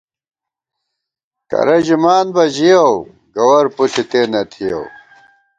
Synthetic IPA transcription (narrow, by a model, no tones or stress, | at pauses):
kɐ̰ɾɐd͡ʑimaːnbɐʑijɐw | ɡɐwɐɾpusit̪eːnɐt̪ʰijɐ̰w